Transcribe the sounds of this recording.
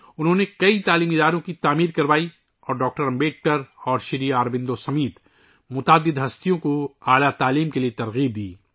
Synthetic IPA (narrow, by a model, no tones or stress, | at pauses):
ʊnɦõːnekɐit̪aːliːmɪd̪aːɾõkit̪aːmiːɾkɐɾʋaːi | ɔːɾɖɔːk̚ʈəɾɐ̃mbeːʈ̚ʈɐɾɔːɾʃɪɾiaːɾbɪ̃nd̪osɐmiːt̪ | mʊt̪aːd̪ːɪd̪ɦɐst̪ijõkoaːlat̪aːliːmkeliet̪ɐɾɣiːb̚d̪iː